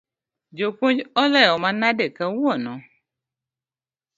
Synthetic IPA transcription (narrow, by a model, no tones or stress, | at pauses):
d͡ʒok͡põd͡ʒɔlɛɔmãnãdekɛwuɔnɔ̃